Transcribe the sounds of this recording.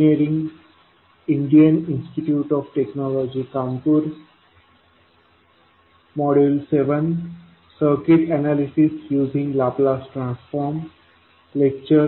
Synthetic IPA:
eːɾĩŋ | ɪ̃ɳɖiə̃nɪ̃nsʈiʈjuːʈɔːʋʈeknɔːlɔːd͡ʒikãːmpuɾ | mɔːɖelseʋə̃n | səɾkɪʈɛnalisisjuːzĩŋɡlaːplaːsʈɾãnsfɔːɾm | lek̚t͡ʃəɾ

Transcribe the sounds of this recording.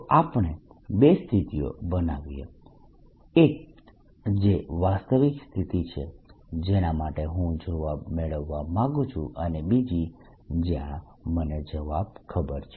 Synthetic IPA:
ʔapɽ̃e | best̪ʰit̪ijo̰bənaʋijḛ | ek̚ | d͡ʒeʋast̪əʋikst̪ʰit̪it͡ʃʰḛd͡ʒenamaʈeɦũd͡ʒoʋabmeɭəʋːamãɡũt͡ʃʰṵ̃ʔənebid͡ʒi | d͡ʒjã | məned͡ʒəʋab̚kʰəbəɾt͡ʃʰ

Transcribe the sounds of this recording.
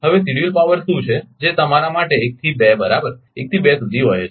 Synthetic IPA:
ɦəʋesiɽiəlpaʋəɾsũt͡ʃʰed͡ʒet̪əmaɾamaʈeːk̚t̪ʰibebəɾabəɾ | ek̚t̪ʰibesud̪ʱiɦoj

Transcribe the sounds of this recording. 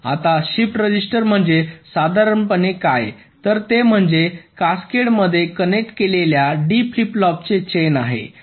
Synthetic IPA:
a̰t̪aɕipʈɾəd͡ʑisʈəɾm̤əɳd͡zesad̪ʱaɾəɳpənekaj | t̪əɾt̪em̤əɳd͡zekaskeɽməd̪ʱːjekənek̚ʈkeleljaɖifliplɔp̚t͡set͡ɕenaɦḛ

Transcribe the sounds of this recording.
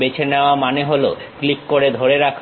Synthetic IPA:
bet͡ɕʰeneoamaneɦolo̰klikːoɾed̪ʱoɾeɾakʰ

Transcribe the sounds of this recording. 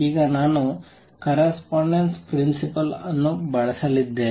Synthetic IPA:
iːɡɐnaːnu | kɐɾɐspaːɳɖenspɾinsipɐlɐnːubɐɭɐsɐlid̪ːeː

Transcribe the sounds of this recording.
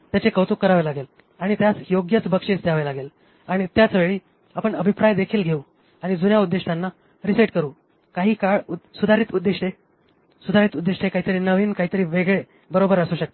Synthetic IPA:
t̪jat͡ɕekəwt̪ukːəɾaʋelaɡel | aɽ̃it̪jat͡sjoɡjət͡sbəkʂesd̪jaʋelaɡel | aɽ̃it̪jat͡sʋeɭiː | apəɳəbʱipɾajd̪ekʰiːlɡʱeuː | aɽ̃id͡zunjaud̪ːeʂʈanːa | ɾisaʈ̚kəɾuː | kaɦiːkaɭusud̪ʱaɾiːt̪ud̪ːeʂʈe | sud̪ʱaɾiːt̪ud̪ːeʂʈekaɦiːt̪əɾiːnəʋiːnkaɦiːt̪əɾiːʋeɡɭe | bəɾobəɾəsuːɕək̚t̪e

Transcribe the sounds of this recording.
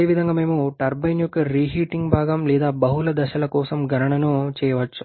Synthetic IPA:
eːʋid̪ʱɐŋɡaːmeːmuʈɐɾbɐjnjukɐɾiːɦiːʈiŋɡbʱaːɡɐmlɛːd̪aːbɐɦulɐd̪ɐʃɐlɐkɔːsɐmɡɐnɐɳɐnut͡ʃɛːjɐʋɐt͡ʃːu̥

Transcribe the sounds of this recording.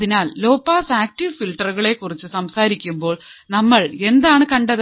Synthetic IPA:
ðinaːlːo̞ːpːaːsaːk̚ʈiʋfilʈɐrɣɐɭe̞kːurit͡ɕːɨsɐmsaːɾikʲːumbo̞ːɭnɐmːɐɭe̞nd̪aːɳɨkɐɳɖɐð

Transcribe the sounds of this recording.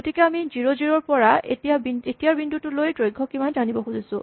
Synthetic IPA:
ɡotikɛamiziɹoziɹɔɹpɔɹaḛtijabietijaɹbindutulojtɹojɡʱɔkimanzanibɔxuzisʊ̃

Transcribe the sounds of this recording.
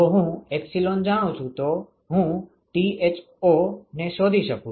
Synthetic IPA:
oɦũepsiloːnd͡ʒaɽ̃õt͡ʃʰũt̪o | ɦũ | ʈiet͡ʃ | oneʃoːd̪ʱiʃəkũ

